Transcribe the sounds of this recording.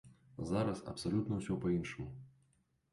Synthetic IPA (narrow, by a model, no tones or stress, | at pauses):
zaɾɐsɐ̰psalʲut̪nɐwsʲɔpɐinʂɨmu